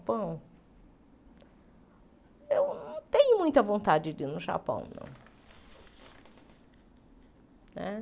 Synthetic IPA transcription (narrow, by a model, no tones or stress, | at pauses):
pɐ̃w̃ | ewnɐ̃w̃t̪ẽɲʊmũj̃t̪ɐvõnt̪ad͡ʒɪdinʊʒa̰pɐ̰̃w̃nɐ̰̃w̃ | nɛ